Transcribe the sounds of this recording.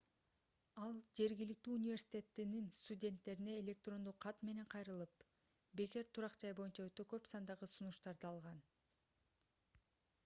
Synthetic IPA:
ɑlˠd͡ʒe̞ɾɡilik̚t̪yːunʲivʲe̞ɾsʲi̥tʲe̞t̪ːininst̪udʲe̞nt̪ːe̞ɾine̞ːlʲe̞k̚t̪ro̞nd̪uqʰːɑt̪me̞ne̞ɴqʰɑjɾɯlˠɯp | be̞ke̞ɾt̪ʰuɾɑqd͡ʒɑjbo̞junt͡ʃɑøt̪ø̞kø̞psɑnd̪ɑʁɯsunuʃt̪ɑɾd̪ɯɑlˠʁɑn

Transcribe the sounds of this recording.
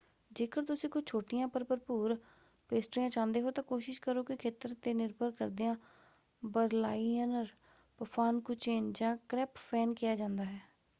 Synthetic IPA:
d͡ʒeːkəɾt̪ʊsĩːkʊt͡ʃt͡ʃʰoːʈɪjãːpəɾpəɾpuːɾ | peːsʈɾiːãːt͡ʃãːnd̪eːɦoːt̪ãːkoːʃɪʃkəɾoːkɪkʰeːt̪əɾt̪eːnɪɾbəɾkə̰ɾd̪ɪjãː | bəɾlaːiənəɾ | pəpʰaːnkʊt͡ʃeːnd͡ʒãːkɾɛːppɛːnkɪjaːd͡ʒãːnd̪aːɦɛː

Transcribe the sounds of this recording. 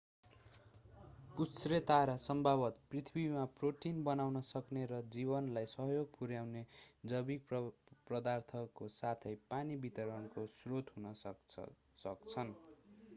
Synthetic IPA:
pusret̪aɾasʌmbʱabʌt̪prit̪ʰibimaproʈinbʌnawnʌsʌkneɾʌd͡zibʌnlajsʌɦjoɡ̚puɾjawned͡zʌbikprʌd̪art̪ʰʌkosat̪ʰʌjpanibit̪ʌɾʌnkosrot̪ɦunʌ | sʌkt͡sʰʌn

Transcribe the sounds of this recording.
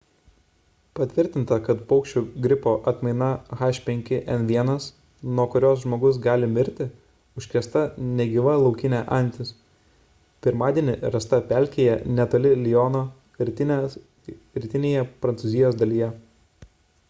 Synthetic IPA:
pɐt̪ʲʋʲɪɾʲt̪ʲɪnt̪ɐkɐt̪pɐʊkʃʲt͡ʃʲʊɡɾʲɪpoːʔɐt̪mɐɪnɐxɑːʃʲpʲɛŋʲkʲɪʔɛnʋʲiɛnɐs | nuɔkʊɾʲoːs̬ʒmoːɡʊs̬ɡɑːlʲɪmʲɪɾʲt̪ʲɪ | ʊʃʲkʲɾʲiɛst̪ɐnʲɛɡʲɪʋɐlˠɐʊkʲɪnʲæʔɐnʲt̪ʲɪs | pʲɪɾmɑːd̪ʲiɛnʲɪɾɐst̪ɐpʲæˑlʲkʲeːjɛnʲɛt̪oːlʲɪlʲɪjɔːnoː | ɪ | ɾʲɪt̪ʲɪnʲeːjɛpɾɐnsʊzʲɪjoːsd̪ɐlʲijɛ

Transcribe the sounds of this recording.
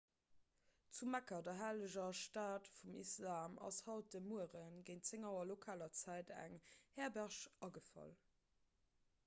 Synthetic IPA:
t͡sumækɐdɐɦaːləʑɐʃtaːtfumḭslaːmɑ̰shɑlt̚d̥əmuəʁənɡəɪnt͡seŋɑʊɐlokʰaːlɐt͡sæɪtæ̰ŋhɛːɐbæʁʃɑɡəfɑ̰l

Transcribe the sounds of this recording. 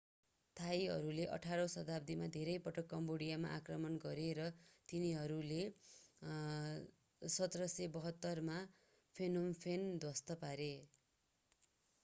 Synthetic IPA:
t̪ʰajɦʌ̰ɾuleʔʌ̰ʈʰaɾʌsʌt̪ab̚d̪ʱimad̪ʱeɾʌjpʌʈʌkːʌmboɽijama̰ʔakrʌmʌnɡʌɾeɾʌt̪iniɦʌɾule | sʌt̪rʌsebʌɦʌt̪ːʌrma | pʰenompʰend̪ʱwʌst̪ʌpaɾe

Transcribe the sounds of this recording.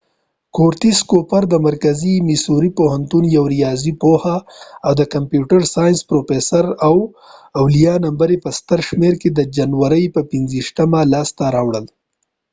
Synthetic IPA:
koɾt̪iskopaɾd̪əmaɾkazimisuɾipoɦant̪unjawɾijɑzipohaːwd̪əkampjuʈaɾsɑjnspɾofesaɾaw | awlijɑnambaɾepəst̪aɾʃmeɾked̪əd͡ʒanwaɾəjpəpɪnziʃt̪amalɑst̪aɾɑwɽəl

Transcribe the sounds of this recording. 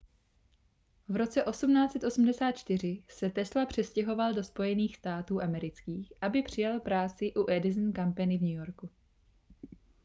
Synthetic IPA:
vɾo̞t͡sɛʔo̞sumnaːt͡sɛt̪ʔosm̩dɛsaːt̪̚t͡ʃt̪ɪr̝ɪsɛt̪ɛslapr̝̥ɛscɛɦo̞valdo̞spo̞jɛniːxst̪aːt̪uːʔamɛɾɪt͡skiːxʔabɪpr̝̥ɪjalpɾaːt͡sɪʔuʔɛdɪzn̩kampɛnɪvɲujo̞ɾku

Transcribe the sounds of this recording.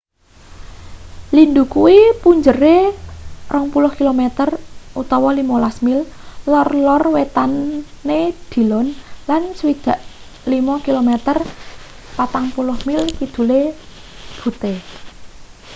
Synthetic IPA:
lind̪ukuwipuɲd͡ʒəre | rəŋpulʊhkilomet̪ərʔut̪ɔwɔlimɔlasmillɔrlɔrwet̪anː | ed̪̥i̤lɔnlansəwid̪̥a̤ʔ | limɔkilomet̪ər | pat̪aŋpulʊhmilkid̪̥ṳle | b̥ṳt̪e

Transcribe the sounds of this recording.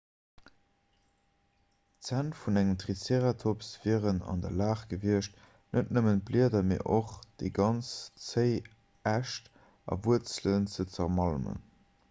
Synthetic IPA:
t͡sæntfunæŋəmtʁiseʁɐtʰopsv̥iːʁənɑ̰ndɐlaːχɡ̥əviəʃt | nətnəmənt̚bliədɐmeːʔoχd̥eɪɡɑnt͡st͡səɪ | æʃt | ʔɑ̰vuət͡slənt͡sət͡səʁmɑlmə̰n

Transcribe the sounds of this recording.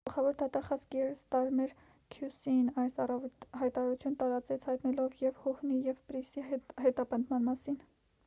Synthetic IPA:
ɡ̥əlχɑvɔɾd̪ɑt̪ɑχɑzkiɛɾəst̪ɑɾmɛɾ | kʰjusinɑjsɑrɑvhɑjt̪ɑɾɑɾut͡sʰjunət̪ɑɾɑt͡sɛt͡sʰhɑjt̪nɛlɔvjɛvhɔhnijɛvpɾisihɛt̪ɑpənd̪mɑnmɑsin

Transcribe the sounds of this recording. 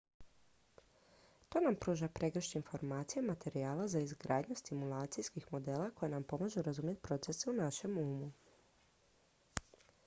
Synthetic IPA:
t̪o̞ːnampɾuːʒapɾe̞ɡɾ̩əʃɲeinfo̞ɾmaːt̪sijamat̪e̞ɾiaːlazaizɡɾaːd̪ɲust̪imulˠaːt̪sijskixmo̞d̪e̞lako̞jenampo̞maʒuɾazumje̞t̪pɾo̞t̪se̞seunaʃe̞muːmu

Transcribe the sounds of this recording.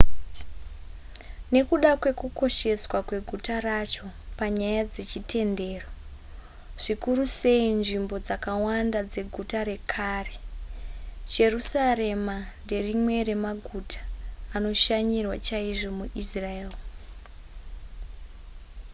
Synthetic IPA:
ne̞kuɗakwe̞kuko̞ʃe̞swakwe̞ɡʱutarat͡ʃo̞paɲajad͡ze̞t͡ʃitʰe̞nde̞ːro | ʐ̥ikuruse̞inʐimbo̞d͡zakawandad͡ze̞ɡʱutaɾe̞kʰare | d͡ʒe̞rusare̞mande̞rimwe̞re̞maɡʱutʰḁːno̞ʃaɲirwat͡ʃaiʐo̞muʔisraeːl

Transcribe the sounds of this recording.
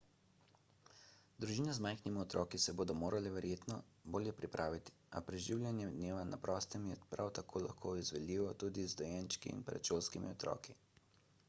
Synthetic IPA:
d̪ɾuʒiːnazmajxnimiɔt̪ɾɔːkisɛboːd̪ɔmoːɾalɛʋɛɾjeːt̪nɔ | boːljɛpɾipɾʔaːʋit̪i̥a̰pɾɛʒiːwlʲjanjɛd̪neːʋana̰pɾɔːst̪ɛmjɛpɾawt̪akʰoːla̰xkʰoːizʋɛd̪liːʋɔt̪uːd̪izd̪ɔjɛnt͡ʃkḭːnpɾɛa̰t͡ʃolskimḭɔt̪ɾɔ̰ːki

